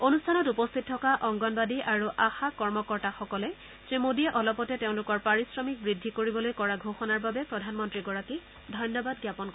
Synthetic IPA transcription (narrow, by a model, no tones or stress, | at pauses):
onustʰanɔtupɔstʰit̚tʰːɔkaʔɔŋɡɔnbadiʔaɹuʔaxakɔɹmɔkɔɹtaxɔkɔlɛ | semodiɛʔɔlɔpɔtɛteʊ̃lʊkɔɹpaɹisɹɔmik̚bɹidʱːikoɹibɔlojkɔɹaɡʱoxɔnaɹbabɛpɹɔdʱanmɔntɹiɡɔɹaki | dʱɔjnjɔbadɡjapɔnk